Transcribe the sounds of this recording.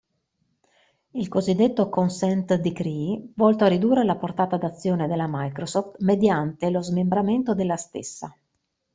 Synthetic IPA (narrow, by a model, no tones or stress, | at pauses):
ilkozid̪ːet̪ːokonsɛnt̪d̪ikɾivɔlt̪oarid̪uːrːelaport̪aːt̪ad̪at̪sːjoːned̪elːamajkɾosɔft̪med̪jant̪elozmembɾament̪od̪elːast̪ḛsːa